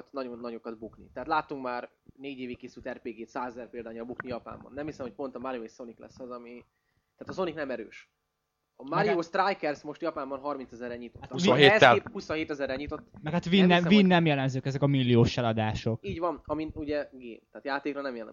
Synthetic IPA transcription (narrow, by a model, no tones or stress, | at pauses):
t̪nɒɟo̞nːɒɟo̞kɒd̪buknḭt̪ɛaːt̪laːt̪ːuŋkmaːrneːɟeːvikːeːsylt̪ɛrpeːɡeːt̪saːzɛzɛrpeːld̪aːɲɒlbuknijɒpa̰ːmbɒ̰nːɛmhisɛmhoc̚ʲpo̞nt̪ɒmaɾijoeʃso̞niklɛ̰sːɒzɒmi | t̪ɛaːt̪ɒzo̞niknɛmɛɾø̰ːʃ | ɒmaɾijoːʃt̪rajkɛrsmo̞ʃt̪jɒpaːmbɒnɦɒrmint̪sɛzɛrːɛɲit̪otat̪ːɦeɛshusonɦeːt̪ɛzɛrːɛɲit̪o̞t̪ːmɛkhat̪vinːɛvinːɛmjɛlɛmzøːkɛzɛkɒmilːioːʃɛlɒd̪aːʃo̞kiːɟvɒnɒmiuɟɛɡḛːnt̪ɛːt̪jaːt̪eːkɾrɒnɛmjɛlɛ̰m